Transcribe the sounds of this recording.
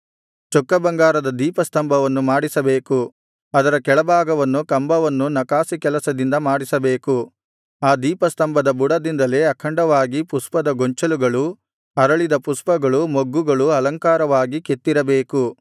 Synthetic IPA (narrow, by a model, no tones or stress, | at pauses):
t͡ʃɔkːɐbɐŋɡaːɾɐd̪ɐd̪iːpɐst̪ɐmbʱɐʋɐnːumaːɽisɐbeːku | ɐd̪ɐɾɐkɛɭɐbʱaːɡɐʋɐnːukɐmbɐʋɐnːunɐkaːsikɛlɐsɐd̪ind̪ɐmaːɽisɐbe̞ːku | aːd̪iːpɐst̪ɐmbʱɐd̪ɐbuɽɐd̪ind̪ɐle̞ːɐkʰɐɳɖɐʋaːɡipuspɐd̪ɐɡoɲt͡ʃɐluɡɐɭu | ɐɾɐɭid̪ɐpuspɐɡɐɭumoɡːuɡɐɭuɐlɐŋkaːɾɐʋaːɡiket̪ːiɾɐbeːku